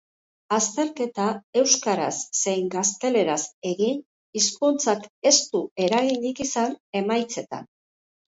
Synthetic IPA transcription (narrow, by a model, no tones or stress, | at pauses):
ast̪e̞ɾke̞t̪ae̞wskaɾa̰sːe̞jŋɡast̪e̞le̞ɾase̞ɣin | iskunt͡sake̞st̪ue̞ɾaɣind̪ikisane̞majt͡se̞t̪a̰n